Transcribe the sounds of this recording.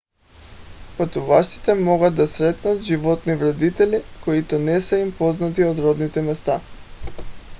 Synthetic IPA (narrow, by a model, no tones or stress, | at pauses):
pat̪uvaʃt̪i̥t̪ɛmɔɡad̪̚ːasɾɛt̪nat̪ʒivɔt̪nivɾɛd̪it̪ɛlikoit̪ɔnɛsɛimpɔznat̪iod̪ɾɔd̪nit̪ɛmɛst̪a